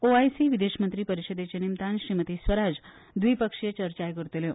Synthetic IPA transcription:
oajsiʋid̪eɕmənt̪ɾiːpəɾiɕəd̪et͡ɕenimt̪anɕɾimət̪iːsʋəɾad͡z | d̪ʋipəkʂjət͡ɕəɾt͡ɕajkəɾt̪ele

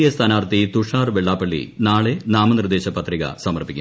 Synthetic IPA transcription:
ijɐst̪ʰaːnaːrt̪it̪uʂaːrʋeɭːaːpːɐɭːḭnaːɭenaːmɐnird̪eːɕɐpɐt̪riɣɐ̰sɐmɐrpikʲːu

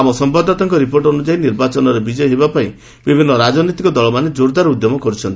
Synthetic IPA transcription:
amɔsɔmpad̪ʱat̪ɔŋkɔɾipoɾʈɔnud͡ʒainiɾbat͡ʃɔnɔɾebid͡ʒɔjɦebapaĩ | bibʱinːɔɾad͡ʒɔnit̪ikɔd̪ɔlɔmaned͡ʒoɾd̪ʱaɾɔud̪jɔmɔkɔɾut͡ʃʰɔnt̪i

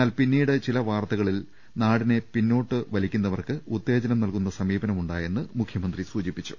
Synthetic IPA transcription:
aːlpinːiːɽɨt͡ɕilɐʋaːrt̪ɐɣɐɭil | naːɽine̞pinːo̞ːʈːɨʋɐlikʲːunːɐʋɐrkɨut̪ːe̞ːd͡ʑɐnɐmnɐlkun̪ːɐsɐmiːbɐnɐmuɳɖaːje̞nːɨmukʰjɐmɐnd̪risuːd͡ʑipːit͡ɕːu̥

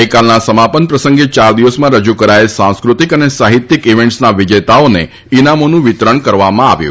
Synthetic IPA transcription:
ekalnasəmapənpɾəsə̃ŋɡet͡ʃaɾd̪iʋəsmãɾəd͡ʒukəɾaesãskɾut̪ikənesaɦit̪ːikiʋẽɳʈsnaʋid͡ʒət̪aone | inamonũʋɪt̪ɾəɳkəɾʋamãa̰ʋjṵ̃

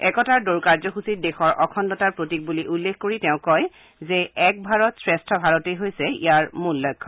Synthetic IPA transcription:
ɛkɔtaɹdoɹkaɹzɔɦusit̚dexɔɹʔɔkʰɔndɔtaɹpɹotik̚buliʔulːekkoɹitɛʊ̃kɔj | zɛɛk̚bʱaɹɔtsɹeɛstʰɔbʱaɹɔtejɦojsɛḭjaɹmulːɔjkʰːɔ

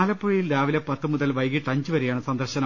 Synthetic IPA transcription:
lɐpːuɻijilɾaːʋilɐpɐt̪ːɨmuðɐlʋɐjɣiʈːɐɲd͡ʑɨʋɐɾejaːɳɨsɐnd̪ɐrɕɐnɐ

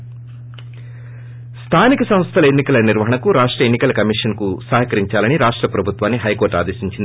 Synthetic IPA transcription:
st̪ʰaːnikɐsɐm̃st̪ʰɐlɐenːikɐlɐniɾʋɐɦɐɳɐkuɾaːʂʈɾɐenːikɐlɐkɐmiʂɐnkusɐːɦɐkɐɾiɲt͡ʃaːlɐniɾaːʂʈɾɐpɾɐbʱut̪ʋaːnːiɦɐjkoːɾʈa̰ːd̪eːʃiɲt͡ʃind̪ii

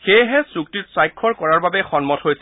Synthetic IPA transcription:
xejɦɛsuk̚titsajkʰːɔɹkɔɹaɹbabɛxɔnmɔthojsɛ

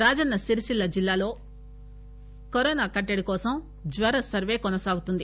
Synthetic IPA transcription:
ɾaːd͡ʒɐnːɐsiɾiʃilːɐd͡ʒilːaːlo̞ː | kɔɾɔːnaːkɐʈːɐɽikɔːsɐm | d͡ʒʋɐɾɐsɐɾʋe̞ːkɔnɐsaːɡut̪und̪i

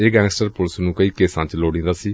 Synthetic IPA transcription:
eːɡɛ̃ːnsʈəɾpʊlsnũːkəiːkeːsãːt͡ʃloːɽĩːnd̪aːsiː

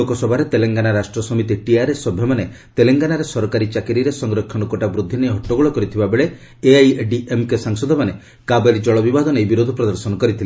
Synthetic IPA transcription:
okɔsɔbʱaɾet̪eleŋɡanaɾasʈɾɔsɔmit̪iʈiaɾesɔbʱemane | t̪eleŋɡanaɾesɔɾɔkaɾit͡ʃakiɾiɾesɔŋɾɔkʰːɔɽ̃ɔkɔʈabɾud̪ʱːinejɦɔʈːoɡuɭɔkɔɾit̪ʰibabeɭe | eajɖiʔemkesaŋsɔd̪ʱɔmane | kabeɾid͡ʒɔɭɔbibad̪ʱɔnejbiɾod̪ʱɔpɾɔd̪ɔɾsɔnɔkɔɾit̪ʰile

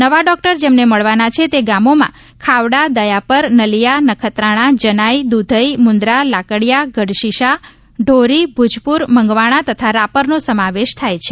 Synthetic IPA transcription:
nəʋaɖɔk̚ʈəɾd͡ʒemneməɭʋanat͡ʃʰet̪eɡamomã̰ | kʰaʋɽad̪əjapəɾnəlijanəkʰət̪ɾaɽ̃ãd͡ʒənaid̪ud̪ʱəimʊnd̪ɾalakəɽjaɡəɖʃiʃa | ɖʱoɾibʱud͡ʒpuɾməŋɡʋaɽ̃at̪ət̪ʰaɾapəɾnosəmaʋeʃt̪ʰajt͡ʃʰe

